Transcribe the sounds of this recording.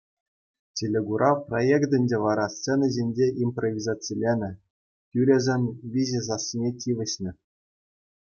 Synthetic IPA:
tʲelʲeɡuɾʔɑprojekt̪ʲɘ̆nʲdʲeʋɑɾɑst͡senɤ̆ʑʲenʲd͡ʑeʔimprovʲizɑt͡silʲenʲɘ̆ | tʲyɾʲɘ̆zʲɘ̆nʲʋʲizʲezɑsʲinʲetʲiʋʲɘ̆ɕnʲɘ̆

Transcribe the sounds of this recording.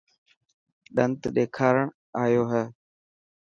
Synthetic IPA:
ɗənt̪ɗ̪eːkʰaːɾəɳ | aːjoːɦɛː

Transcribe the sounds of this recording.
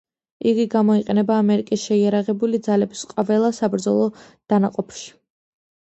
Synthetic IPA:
iɡiɡamɔiqʼɛnɛbaːmɛɾikʼisʃɛiaɾaʁɛbulid̪zalɛbisqʼavɛlˠasabɾd̪zɔlˠɔd̪̥anaqʼɔpʰʃi̥

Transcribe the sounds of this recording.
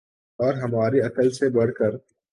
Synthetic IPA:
ɔːɾɦɐmaːɾiɐkəlsebɐɽ̤kəɾ

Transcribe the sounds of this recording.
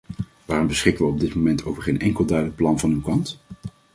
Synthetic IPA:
ʋaːrɔmbəsχɪkənʋəɔb̚dɪtmomɛntʰowvəɹχejnʔɛŋkəlˠdœɥdələk̚plɑnvɑnywkɑnt

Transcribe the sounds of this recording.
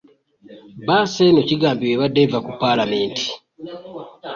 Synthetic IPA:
basenociɡaːmbiweβadːevakupːalame̞ːnti̥

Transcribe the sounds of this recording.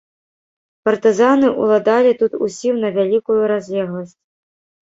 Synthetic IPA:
pɐrt̪ɨzanɨʔṵlˠad̪alʲit̪ut̪usʲiwnɐvʲalʲikujuɾazʲlʲɛɣlˠɐsʲt͡sʲ

